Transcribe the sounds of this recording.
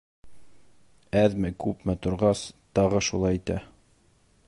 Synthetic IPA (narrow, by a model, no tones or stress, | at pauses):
æðmɘkʉpmɘt̪ŏɾʁɑst̪ɑʁɤʃulˠɑjit̪æ